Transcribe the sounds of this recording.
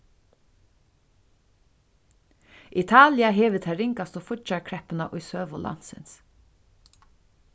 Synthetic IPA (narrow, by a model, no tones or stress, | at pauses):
it̪ʰaːlɪaɦɛːʋɪt̪ʰɛɾɪŋkast̪ofʊt͡ʃaɹkʰɾɛpɪnaʔʊjsøːʋʊlʔa̰n̥sɪ̰ns